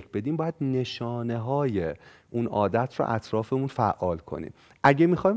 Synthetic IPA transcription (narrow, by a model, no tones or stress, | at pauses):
kʰbe̞d̪iːmbɒːjæd̪ne̞ʃɒːne̞ɦɒːjeʔunʔɒːd̪æt̪ʰɾɔ̰ʔæ̰t̪ʰɾɒːfe̞munfæʔɒːlkʰo̞̰nḭːm | ʔæɟemixɒːj